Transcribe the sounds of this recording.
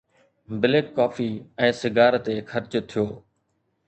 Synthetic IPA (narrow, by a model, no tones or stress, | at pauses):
bɪlekːaːfiːɛ̃ːsɪɡaːɾt̪eːxʰɐɾt͡ʃt̪ʰijoː